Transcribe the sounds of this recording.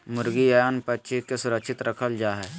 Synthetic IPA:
mʊɾɡiajaːnpətːʃʰikesʊɾəkʃɪt̪ɾəkʰəld͡ʒaːɦɛ

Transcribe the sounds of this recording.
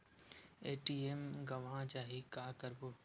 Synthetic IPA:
eːʈiːemɡɐʋãːt͡ʃaːɦikaːkəɾboː

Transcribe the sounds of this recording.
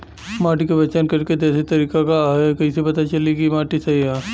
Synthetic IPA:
maːʈikebɐt͡ʃankɐɾked̪ɛːsit̪ɐɾiːkakaɦekɐɦĩsepɐt̪at͡ʃɐlikimaːʈisɐɦiɦɛː

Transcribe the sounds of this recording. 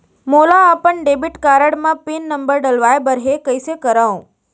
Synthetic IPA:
molaːpəɳɖebiʈkaɾəɽmãpinːəmbəɾɖəlʋaebəɾɦekəjsekəɾaõ

